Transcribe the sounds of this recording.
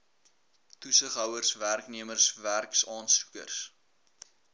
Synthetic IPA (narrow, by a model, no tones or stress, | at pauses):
tusəχɦœwərsværkniəmərsværksɑːnsu̥kə̰rs